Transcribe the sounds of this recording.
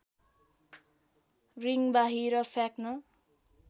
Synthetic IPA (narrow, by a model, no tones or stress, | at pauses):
riŋbaɦiɾʌfʰaknʌ